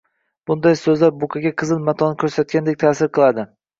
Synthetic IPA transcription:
b̥ʊnd̪ajsɵzlaɾbʊkʲʰaɡʲaqʰɨzɪnmat̪ʰɒnɪkʰɵɾsat̪̚kʲand̪ek̚ʲt̪ʰaːsɪɾqɨlˠad̪ɪ

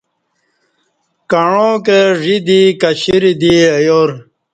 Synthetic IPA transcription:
kɐɳõkeʐid̪ikɐɕiɾid̪iɐjoɾ

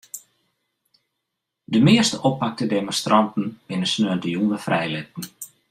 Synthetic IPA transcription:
dəmɪəstəʔɔpːak̚tədemɔnstrɑntn̩bɪnəsnøːəntəjunʋəfrɛjlɪt̚n̩

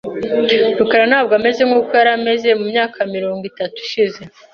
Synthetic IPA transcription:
ɾukaɾanaːb̚ɡame̞ze̞ŋhuːkojaɾame̞ze̞mumɲaːkʰamiɾo̞ːŋɡitatu̥ʃize̞

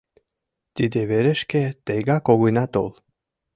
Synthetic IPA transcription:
t̪id̪eβeɾeʃket̪eɡakoɣunat̪ol

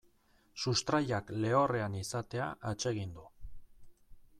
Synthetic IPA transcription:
sust̪ɾaʎakle̞o̞re̞anisat̪e̞a̰ʔat͡ʃe̞ɣ̞ind̪u

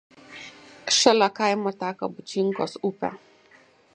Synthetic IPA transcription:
kʃɐlakajmatakabut͡ʃiŋkɔsupʲa̰

